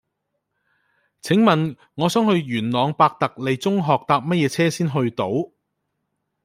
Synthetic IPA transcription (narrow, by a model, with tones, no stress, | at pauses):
t͡sʰɪ˨˥ŋmɐ˨n | ŋɔː˨˧sœː˨˥ŋhɵ˧ɥjyː˨˩nlɔː˨˧ŋpaː˧k̚t̪ɐ˨k̚le˨˧jt͡sʊ˥ŋɦɔː˨k̚t̪aː˧p̚mɐ˥t̚jɛː˨˧t͡sʰɛː˥siː˥nɦɵ˧ɥt̪o˨˥w